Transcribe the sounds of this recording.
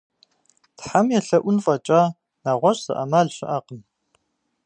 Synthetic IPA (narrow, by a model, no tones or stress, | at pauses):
tħamjɛɬɐʔʷʊnfʼɐt͡ʃʼaː | naːʁʷɔɕʼsɐ̰ʔɐ̰maɮɕɪʔaːqən